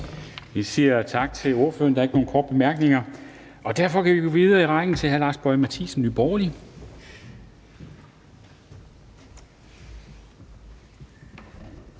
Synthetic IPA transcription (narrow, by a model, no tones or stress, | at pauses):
ʋisiɐt͡sʰɑ̈ɡ̥̚t͡sʰe̝lo̝ɐføɐnd̥ɑ̈ɐeɡ̥no̝ːn̩kʰɒːd̥̚b̥emæɐɡ̥ne̝ŋɐ | ʔɒ̽d̥æɐfɒ̽kʰæʋiɡ̥oʋið̞ˠɐːiʁɑ̈ɪŋn̩t͡sʰe̝lɦælɑ̈sb̥ɒɪmæt͡sʰḭsn̩ːyb̥ɒːli